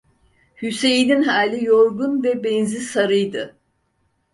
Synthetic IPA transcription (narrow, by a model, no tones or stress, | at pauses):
hysejininɦaːlʲijoɾɡunvɛbɛnzisaɾɯjd̪ɯ